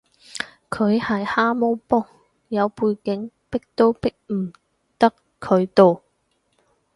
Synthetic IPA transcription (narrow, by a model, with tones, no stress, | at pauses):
kʰɵ˨˧ɥhɐ˨jhaː˥mo˥wpɔː˥ | jɐ˨˧wpuː˧jkɪ˨˥ŋ | pɪ˥k̚t̪o˥wpɪ˥k̚m̩˨˩ | t̪ɐ˥kʰːɵ˨˧ɥt̪o˨w